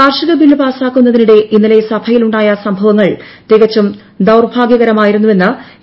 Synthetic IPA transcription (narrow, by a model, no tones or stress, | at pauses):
aːrʂɐɣɐbilːɨpaːsaːkːunːɐðiniɽe̞ʔinːile̞sɐbʰʱɐjiluɳɖaːjɐsɐmbʱɐʋɐŋːɐɭt̪eɣɐt͡ɕːum | d̪ɐwrbʱaːɡjɐɣɐɾɐmaːjiɾunːuʋe̞nːɨ